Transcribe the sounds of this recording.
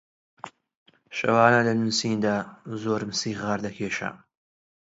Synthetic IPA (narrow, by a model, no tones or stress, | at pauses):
ʃɐ̰waːnɐlɐnunsiːnd̪aːzoːɾmɨsiːʁaːɾd̪ɐkʰeːʃɐ̰